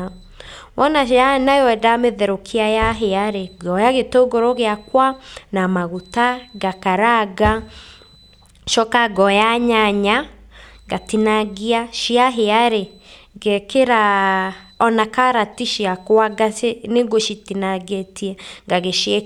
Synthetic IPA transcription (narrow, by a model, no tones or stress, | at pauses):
wɔnaʃanajɔɛdameðɛɾokʰiajaɦeaɾeɡɔjaɣetoɡoɾoɣeakwanamaɣutaɡakaɾaɡa | ʃɔkaɡɔjaɲaɲaɡatinaɡiaʃiaɦeaɾe | ɡekeɾa | ɔnakaɾatiʃiakwaɡaeneɡoʃitinaɡetiɛŋɡaɣeʃiɛ